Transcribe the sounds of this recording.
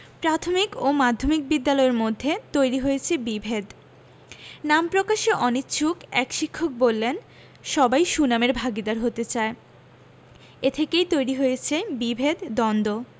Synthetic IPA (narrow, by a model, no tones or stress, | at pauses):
pɾat̪ʰomikomad̪ʱːomik̚bid̪ːalɔeɾmod̪ʱːet̪ojɾiɦojet͡ɕʰebibʱed̪ | nampɾokaʃeʔɔnit̪t͡ɕʰukɛkʃikʰːok̚bolːen | ʃɔbajʃunameɾbʱaɡid̪aɾɦot̪et͡ɕae | et̪ʰekejt̪ojɾiɦojet͡ɕʰebibʱed̪d̪ɔnd̪o